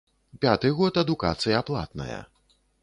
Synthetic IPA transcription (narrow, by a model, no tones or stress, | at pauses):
pʲat̪ɨɣɔt̪ɐd̪ukat̪sɨjɐːplˠa̰t̪nɐ̰jɐ̰